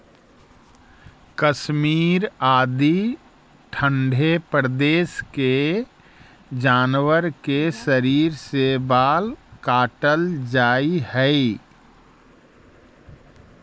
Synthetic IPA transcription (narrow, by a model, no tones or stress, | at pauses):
kəʃmiːɾaːd̪i | ʈʰə̃ɳɖʱepɾd̪eːʃke | d͡ʒaːnwəɾkesəɾiːɾsebaːlkaːʈəld͡ʒaːihɛi